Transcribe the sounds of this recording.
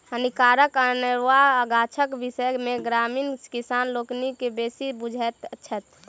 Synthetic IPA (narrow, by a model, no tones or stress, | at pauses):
hənikaːɾəkəneɾwaəɡaːt͡ʃʰəkʋɪsəjmẽɡɾaːmiːnkisaːnloːknikebeːsibud͡ʒʱɛt̪ːt͡ʃʰət̪